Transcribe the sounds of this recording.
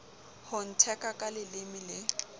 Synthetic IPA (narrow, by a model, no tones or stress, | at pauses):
hʊn̩tʰɛkʼakʼalɪlɪmɪlɪ